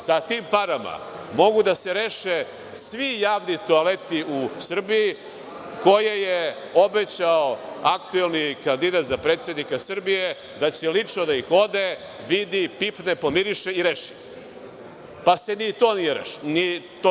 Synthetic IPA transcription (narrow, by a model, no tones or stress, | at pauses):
sat̪iːmpaɾama̰ | mo̞ɡud̪aseɾeːʃe | sʋijaːʋnit̪oalet̪iusr̩biji | ko̞jeje | o̞bet͡ɕaoakt̪uelˠnikand̪id̪at̪zapɾeːt̪sje̞d̪nikasr̩bije | d̪at͡ɕelit͡ʂnod̪aixo̞d̪e | ʋid̪ipipnepo̞miɾiʃeiɾeʃi̥ | pase̞nit̪o̞ːnijeɾḛʃnit̪o